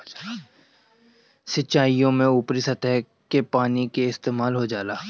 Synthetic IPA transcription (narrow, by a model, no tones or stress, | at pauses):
sɪt͡ʃaːijõmẽuːpɾisɐt̪ɛɦ | kepaːnikeɪst̪eːmaːlɦod͡ʒaːlaː